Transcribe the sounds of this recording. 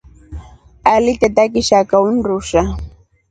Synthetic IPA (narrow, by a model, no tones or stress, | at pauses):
alɪt̪at̪akɪʃakaʊnɾʊʃa